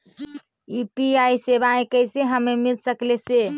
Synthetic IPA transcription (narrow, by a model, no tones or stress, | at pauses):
ipiaisebaẽkəjseɦəmːemilsəklese